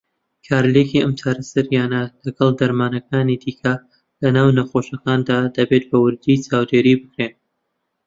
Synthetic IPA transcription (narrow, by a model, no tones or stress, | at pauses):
kʰaːɾlekiɐmt͡ʃʰaːɾɐsɐɾjaːnɐlɐɡɐlˠd̪ɐɾmaːnɐkaːnid̪iːkʰɐ | lɐnaːwnɐxoʃɐkaːnd̪aːd̪ɐbet̪̚bɐwɨɾd̪it͡ʃaːwd̪eːɾibɨkɾeːn